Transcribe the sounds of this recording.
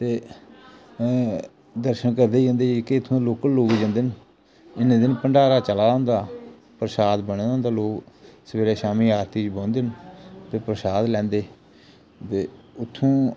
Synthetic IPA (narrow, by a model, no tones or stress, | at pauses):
t̪eː | d̪əɾʃənkəɾd̪eːd͡ʒə̃nd̪eːket̪ʰːõːloːkəlloːkd͡ʒə̃nd̪ɪn | ɪnẽːd̪ɪnpəɳɖaːɾaːt͡ʃəlaːɦʊ̃nd̪aː | pɾəsaːd̪bəɳ̃ːd̃nd̪aːloːksəʋeːɾeːʃaːmiːaːɾt̪iːt͡ʃbõːnd̪ɪnt̪eːpɾəsaːd̪lɛ̃ːnd̪eː | t̪eːʊt̪ʰːõː